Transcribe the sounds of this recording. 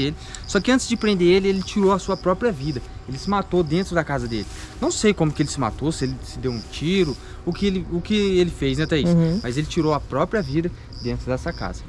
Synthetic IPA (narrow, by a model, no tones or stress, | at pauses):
elɪsɔkɪɐ̃nt̪ɪzd͡ʒɪpɾẽnd̪eɾelɪelɪt͡ʃiɾowɐsuɐpɾɔpɾiɐvid̪ɐ | elɪsɪmat̪od̪ẽnt̪ɾʊd̪ɐkazɐd̪elɪnɐ̃w̃sejkõmʊkɪelɪsɪma̰t̪osɪelɪsɪd̪ewũt͡ʃiɾʊ | ʊkɪelɪʊkɪelɪfejznɛt̪ɛismɐzelɪt͡ʃiɾoɐpɾɔpɾiɐvid̪ɐ | d̪ẽnt̪ɾʊd̪ɛsɐka̰zɐ